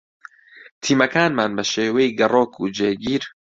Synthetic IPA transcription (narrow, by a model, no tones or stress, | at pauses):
t̪ʰiːmɐkaːnmaːnbɐʃeːwejɡɐrˤoːkʰuːd͡ʒeːɡiːɾ